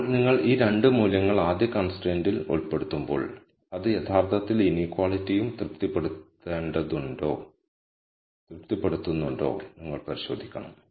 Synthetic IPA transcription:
niŋːɐɭiːɾe̞ɳɖɨmuːljɐŋːɐɭaːd̪jɐkɐːnsʈeːndiloɭpːeɽut̪ːumbo̰ːɭ | ɐðɨjet̪ʰaːrt̪ʰɐt̪ːilinikwaːɭitːijumt̪rɨp̚t̪ipːeɽut̪ːeːɳɖɐðuɳɖo̞ː | t̪rɨp̚t̪ipːeɽut̪ːunːuɳɖo̞̰ːniŋːɐɭpɐɾiɕo̞ːd̪ʱikʲːɐɳɐ̰m

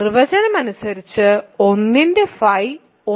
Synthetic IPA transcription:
rʋɐd͡ʑɐnɐmɐnusɐɾit͡ɕːɨo̞nːindefɐj | o

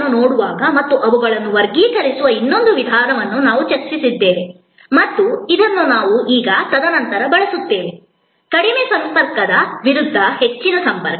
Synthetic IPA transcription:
unoːɽuʋaːɡɐmɐt̪ːuʔɐʋɐɡɐɭɐnːuʋɐɾɡiːkɐɾisuʋɐinːo̞nd̪uʋid̪ʱaːɾɐʋɐnːunaːʋut͡ʃɐɾt͡ʃisid̪ːeːʋe | mɐt̪ːuid̪ɐnːunaːʋuʔiːɡɐt̪ɐd̪ɐnɐnt̪ɐɾɐbɐɭɐsut̪ːe̞ːʋe | kɐɽimesɐmpɐɾkɐd̪ɐʋiɾud̪ʱːɐhe̞t͡ʃːinɐsɐmpɐɾkɐ

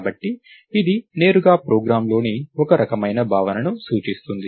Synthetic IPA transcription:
bɐʈːiː | d̪ine̞ːɾuɡaːpɾoːɡɾaːmlo̞ːniɔkɐɾɐkɐmɐjnɐbʱaːʋɐnɐnusuːt͡ʃist̪und̪i

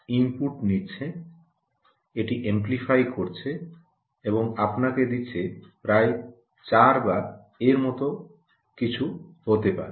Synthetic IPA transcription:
impuʈnitːɕʰe | eʈiʔemplifajkoɾt͡ɕʰe | eboŋapnaked̪iːɕʰepɾae | t͡ɕaɾbaɾ | eɾmɔt̪o | kit͡ɕʰuhot̪epa̰ɾe

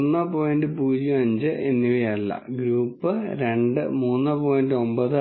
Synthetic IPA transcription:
nːɨpo̞ːjndɨpuːd͡ʑiɐɲd͡ʑɨʔenːiʋijɐlːɐ̰ɡɾuːpːɨɾe̞ɳɖɨ̰muːnːɨpo̞ːjndɨo̞mbɐðɨ

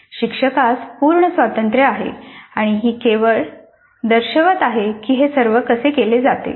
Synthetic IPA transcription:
ɕikʂəkaspuːɾɳəsʋat̪ənt̪ɾəaɦḛaɽ̃iɦiːkeʋəɭ | d̪əɾɕəʋət̪aɦekiːɦesəɾʋəkəsekeled͡zat̪ḛ

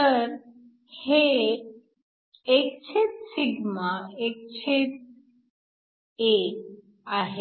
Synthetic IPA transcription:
t̪əɾ | he | ekt͡ɕʰit̪̚siɡmaek̚t͡ɕʰit̪̚ | e | aɦe

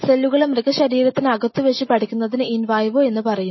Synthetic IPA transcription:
selːuɣɐɭemrɨkːɐɕɐɾiːɾɐt̪ːinɨɐɡɐt̪ːɨʋeʂipɐʈʰikʲːunːɐðinɨinʋaːjɐʋoːe̞nːɨpɐrɐju

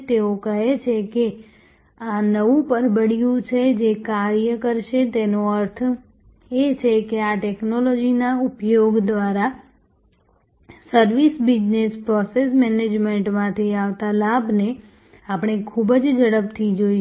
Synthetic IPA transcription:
t̪eokəɦet͡ʃʰeke | anəʋũpəɾbəɽijũt͡ʃʰed͡ʒekaɾjəkəɾʃet̪enoəɾt̪ʰ | et͡ʃʰekeaʈeknolod͡ʒinaupjoɡd̪ʋaɾa | səɾʋisbid͡ʒnespɾɔsesmɛned͡ʒmeɳʈmãt̪ʰiaʋt̪alabne | apɳ̃ekʰubd͡ʒd͡ʒəɽəp̚t̪ʰid͡ʒoi

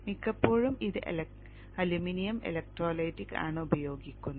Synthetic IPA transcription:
mikːɐpːo̞ːɻumiðɨ | ɐluminijɐmḛlɐk̚ʈroːlɐjtːikːa̰ːɳɨubɐjo̞ːɡikʲːunː

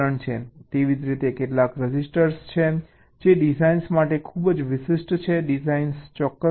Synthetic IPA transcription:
əɳt͡ʃʰet̪eʋid͡ʒɾit̪ekeʈlakɾəd͡ʒisʈəɾst͡ʃʰe | d͡ʒeɖizainsmaʈekʰubəd͡ʒʋɪʃɪsʈt͡ʃʰeɖizainst͡ʃɔkːə

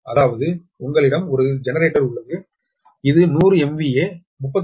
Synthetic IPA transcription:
ɐðaːʋɐðɯ | ʊŋɡɐɭɪɽɐmɔɾɯd͡ʒɛnɐɾeːʈːɐɾʊɭːɐɣɯ | ɪðɯnuːrɯɛmʋieː | mʊpːɐt̪

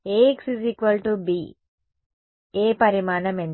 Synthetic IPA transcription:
eksiziːkʋɐlʈubiː | eːpɐɾimaːnɐmen

